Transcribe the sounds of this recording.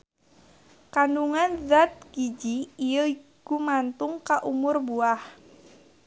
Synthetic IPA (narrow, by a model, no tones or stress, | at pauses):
kanduŋanzat̪̚ɡ̥id͡ʒiijəikumant̪ʊŋkaʔumʊrbuah